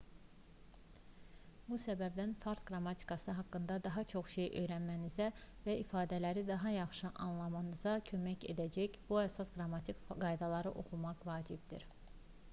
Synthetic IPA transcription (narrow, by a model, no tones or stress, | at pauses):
busæbæbd̪ænfɑɾt̪ɡɾɑmɑt̪ʰi̥kʰɑsɯɦɑkːɯnd̪ɑd̪ɑɦɑt͡ʃʰo̞χʃejø̞̰jɾænmænizævæʔifɑːd̪ælæɾid̪ɑɦɑjɑχʃɯʔɑnlˠɑmɑnɯzɑcʰø̞mæce̞̰d̪æd͡ʒæçb̥uæsɑsɡɾɑmɑt̪ʰikɡɑjd̪ɑlˠɑɾɯʔo̞̰χumɑqvɑːd͡ʒib̚d̪ḭɾ